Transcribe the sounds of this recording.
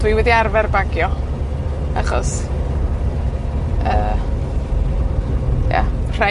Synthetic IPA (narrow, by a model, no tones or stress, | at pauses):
d̥wiwɛdiarvɛrbaɡjɔ | a̰χɔ̰s | əː | ja̰r̥a